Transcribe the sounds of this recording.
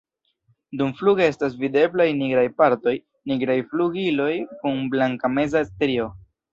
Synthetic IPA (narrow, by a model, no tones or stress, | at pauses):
dumfluɡee̞stas̬vide̞blajniɡɾajpaɾto̞j | niɡɾajfluɡilo̞jkuŋblaŋkame̞zastɾio̞